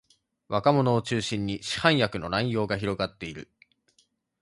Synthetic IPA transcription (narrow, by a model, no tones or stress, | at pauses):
βakamo̞no̞ːt͡ɕɨːɕĩɲ̟ːiɕi̥hãɰ̃jakɯ̟no̞nãĩjo̞ːɡaçiɾo̞ɡat̪ːe̞iɾɯ̟